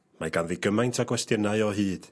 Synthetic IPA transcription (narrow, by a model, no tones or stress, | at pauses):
maɡanðiɡəmajntʰaɡwɛstjənaɨɔɦɨːd̥